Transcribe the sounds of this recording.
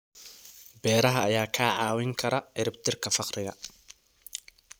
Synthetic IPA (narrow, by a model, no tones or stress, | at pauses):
bɛːɾɐɦɐːjaːkʰaːʕɑːwɪŋkʰɐɾɐʕɪɾɪbt̪ʰɪrkʰɐfɑqrɪɣɐ